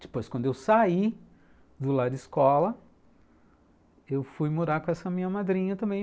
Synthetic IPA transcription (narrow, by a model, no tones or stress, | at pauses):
d͡ʒɪ̥pojskwɐ̃nd̪ʊewsai | d̪ʊlad͡ʒɪɪskɔlɐ | ewfujmuɾaɾkõɛsɐmĩɲɐmad̪ɾĩɲɐt̪ɐ̃mbẽj̃